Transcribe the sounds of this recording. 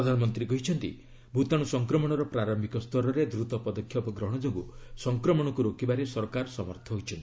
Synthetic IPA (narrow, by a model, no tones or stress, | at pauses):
ɾɔd̪ʱanɔmɔnt̪ɾikɔɦit͡ʃʰɔnt̪ḭ | bʱut̪aɽ̃usɔŋkɾɔmɔɽ̃ɔɾɔpɾaɾɔmbʱikɔst̪ʰɔɾɔɾed̪ɾut̪ɔpɔd̪ɔkʰːjɔpɔɡɾɔɦɔɽ̃ɔd͡ʒoɡṵsɔŋkɾɔmɔɽ̃ɔkuɾokibaɾesɔɾkaɾɔsɔmɔɾt̪ʰɔɦojt͡ʃʰɔnt̪ii